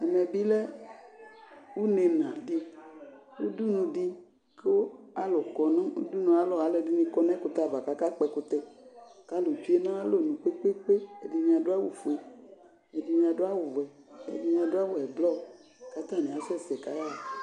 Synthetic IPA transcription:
ɛ˨mɛ˨bi˦lɛ˦ | wu˦ne˨nã˨ɖi˦ | wṵ˦du˦nũ˨ɖi˦ | ke˦wo˦a˦lo˨kɔ˨nã˦wṵ˦du˦nũ˨a˨lɔ˨a˨˦lɛ˨di˦nĩ˦kɔ˦nɛ̃˦ko˨t̪a˦˨va˨ka˨ka˦k͡pɛ˨ko˨t̪ɛ˨ka˦lo˨d͡ʒu˦e˦nã˦lo˦˨nũ˨k͡pe˦k͡pe˦k͡pe˦e˨di˨mĩ˨a˨do˦a˦wu˨fe˨ | e˨di˨mĩ˦ã˨do˦a˦wo˨vɛ˨ | ḛ˨di˨mĩ˨a˨do˦a˦wo˨ɛ˨blɔ˦˨ | ka˦t̪a˦˨nĩ˨a˨sɛ˦˨sɛ˨ka˨˦ja˦˨

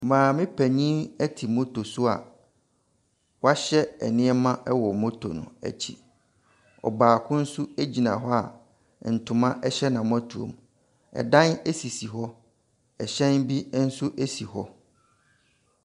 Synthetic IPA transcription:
mãː˨mɪ̃˦pʰæ˨ɲĩ˦æ˦tʰi˨mõ˦tʰo˨su˦a̰˨ | wɔ˦a˦ɕɛ˦ɛ̰˨nɪ̃˦ɛ˦mã˦ʔɛ˦wɔ˨mo˦tʰo̰˨nʊ̰̃˨æ̰˨t͡ɕʰḭ˨ | ɔ̰˨baː˨kʰʊ̃˦n̩˦su˦e˦d͡ʑi˨nã̰˨ɦɔ˦a̰˨ | n̩˨tʰʊ̃˨mã˦ʔɛ˦ɕɛ˦nã˨m˦ã˦tʰu˨õ̰˨m | ɛ̰˨dã˦ne˦si˨si˨ɦɔ˦ | ɛ˨ɕɛ̃˦nbi˦n̩˦sʊ˦ʔe˦si˨hɔ˦

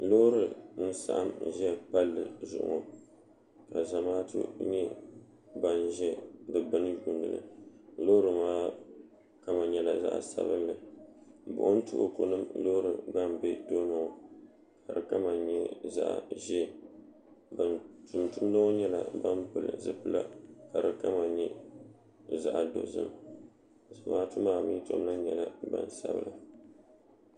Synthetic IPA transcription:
lo˦ɾɨ˨n̩˦sa̰˨ʔa̰˨m˨ʒɛ˦pa˦lːɨ˨zʊ̰˨ʔʊ̰˨ŋo˨ | ka˨za˨maː˦tʰɨ̰˦ɲɛ˦ | ba˦nʒɛ˦dɨ˨bɨ˦nɨ˦ju˦nːɨ̰˨lɨ̰˨loː˦ɾɨ˨maː˦ | ka˦ma˨ɲɛ˦la˨za̰˦ʔsa̰˦bɨ̰˦lːɨ˨ | bʊ̰˨ʔʊ˦n̩˦tʊ̰˦ʔʊ̰˨ko̰˨nɨ˦mloː˦ɾɨ̰˨ba˦mbɛ˦to˦nɔ˨ | kʰa˨ɾɨ˨ka˦ma˨ɲɛ˦za̰˦ʔa˨ʒɛ˦˨ | ba˨ntʊ˨mtu˦m˦lɨ˦ɲɛ˦la̰˨ba˦npɨ˨lɨ̰˨zɨ˦pɨ˦la̰˦ka˨ɾɨ˨ka˦ma˨ɲɛ˦ | za˦ʔa˨do̰˨zɨ̰˦m | zmaː˦tʊ˦maː˦˨mi˦to˦m˦la˦ɲɛ˨la˦ba̰˦˨n˨sa˦bɨ̰˨lɨ˨

